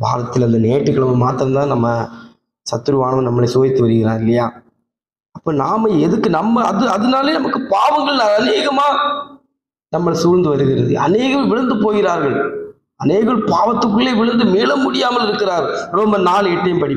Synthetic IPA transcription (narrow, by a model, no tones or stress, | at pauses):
ʋa̰ːɾɐt̪ːɪlɐnd̪ɐneːʈːɯkːɐɭɐmɐmaːt̪ːɯɾɐmt̪ãːnɐmːɐ | sɐt̪ːɯɾɯʋaːɳɐʋnɐmːɐɭɐɪsoːðɪt̪ːɯʋɐɾɯɣɪɾa̰ːŋɪlːɐjaː | ɐpːoːnaːmɐɛðɯkːɯnɐmːɐɐðɯɐðɐnaːleːnɐmɐkːɯpaːʋɐŋɡɐɭnɐɐneːɣɐmaː | nɐmːɐɭsuːɾnd̪ɯʋɐɾɯɣɪɾɐðɯ̰ʔɐ̰neːɣɐʋʋɪɭɐnd̪ɯpoːɣɪɾaːɾɣɐɭ | ɐneːɣɐɭpaːʋɐt̪ːɯkːɯɭeːʋɪɭɐnd̪ɯmiːɭɐmʊɽɪjaːmɐlɪɾɯkːɪɾaːɾɣɐɾɔmbɐnaːleʈːɐjmpɐɽɪ